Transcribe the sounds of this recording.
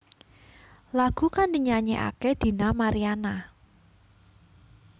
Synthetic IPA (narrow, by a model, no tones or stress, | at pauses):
laɡ̥ṳkandiɲaɲḛʔa̰kɛd̪̥i̤namaɾiana